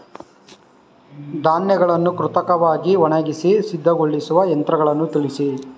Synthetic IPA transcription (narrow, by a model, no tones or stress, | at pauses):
d̪aːnjɐɡɐɭɐnːukɾut̪ɐkɐʋaːɡiʋɔɳɐɡisisid̪ʱːɐɡoɭːisuʋɐjɐnt̪ɾɐɡɐɭɐnːut̪ilisi